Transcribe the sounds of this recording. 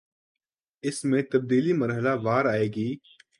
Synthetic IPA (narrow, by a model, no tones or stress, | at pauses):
ɪsmẽt̪ɐb̚d̪iːlimɐɾɦəlaʋaːɾaːeːɡiː